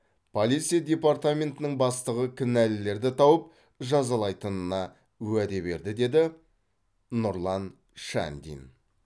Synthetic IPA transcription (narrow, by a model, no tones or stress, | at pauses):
pʰolʲit̪sijad̪ʲe̞part̪amʲe̞nt̪ɪnɪŋbɑst̪əʁəkʲʰʏnælɪle̞ɾd̪ɪt̪ʰɑwəp̚ | ʒɑzɑlˠɑjt̪ənənɑ | æd̪e̞be̞̰ɾd̪ɪd̪e̞d̪ɪ | nʊɾlˠɑn | ʃa̰nd̪ʲḭn